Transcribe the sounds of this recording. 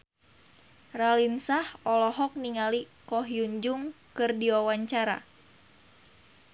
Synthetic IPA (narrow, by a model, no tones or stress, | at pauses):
ralinsahɔlɔɦɔk̚niŋalikɔɦjuɲd͡ʒuŋkɨrdiwawaɲt͡ʃaɾa̰